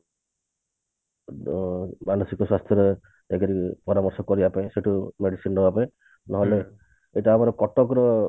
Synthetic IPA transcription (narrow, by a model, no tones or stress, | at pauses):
manusikɔswast̪ʰjɔɾe | ekeɾipɔɾamɔɾsɔkɔɾibapaẽseʈumeɽisinɾɔbapaẽ | nɔɦɔle | eʈaːmaɾɔkɔʈɔkɾɔ